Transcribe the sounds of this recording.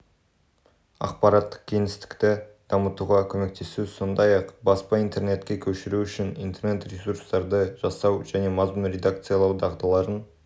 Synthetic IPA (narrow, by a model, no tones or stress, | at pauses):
ɑ̰q̚pɑɾɑt̪ːə̥q̚kʲʰe̞ŋɪst̪ɪ̥kt̪ɪd̪̥ɑmət̪uʁɑkʲʰɵme̞kt̪ʰe̞suso̞nd̪ɑjɑqbɑspɑijnt̪e̞rne̞t̪kʲe̞kʲʰɵʃɪɾuʏʃɪnḭjnt̪e̞rne̞t̪rʲesuɾst̪ɑɾd̪əʒɑsɑwʒæne̞mɑzmənɾʲe̞d̪akt̪sɨjalˠɑwd̪ɑʁd̪ɑlˠɑɾən